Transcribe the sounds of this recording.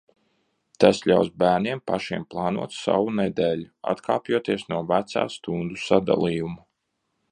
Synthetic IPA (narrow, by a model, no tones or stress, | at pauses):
t̪asʎʲawsbæːɾnʲiɛmpaʃiɛmplˠɑːnṵɔt̪sa̰wunɛd̪eːlʲua̰t̪kʰaːpjuɔt̪iɛsnuɔvæt̪sa̰ːst̪und̪usad̪a̰lˠijumu